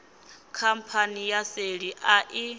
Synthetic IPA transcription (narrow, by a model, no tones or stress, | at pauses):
kʰam̩pʰanijaseɺiʔaʔi